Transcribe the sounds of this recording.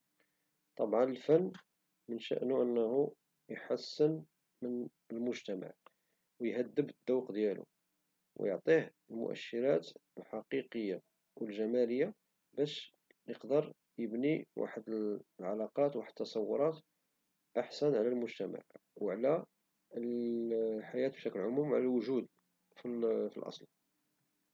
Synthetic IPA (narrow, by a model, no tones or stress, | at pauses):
t̪ˤɑbʕɑnəlfænː | mənʃə̰ʔnuʔənːhu | jħasːən | mən | əlmʊʒt̪æma̰ʕ | wjhæd̪ːəbd̪̥ːɑwqd̪jælṵ | w̰joʕt̪ˤihəlmʊ̰ʔæ̰ʃːəɾæt̪əlħɑqiqəjːa | wəlʒæmæləjːa | bæʃ | jəqd̪əɾˤ | jəbniwa̰ħəd̪əlʕalɑqɑt̪waħəd̪ət̪ːɑsˤɑwːʊɾˤɑt̪ | ʔaħsænʕlælmʊʒt̪æma̰ʕwʕlæ | ħajæt̪bʃæklʕʊmumʕlæwʒud̪ | fifilʔɑ̰sˤl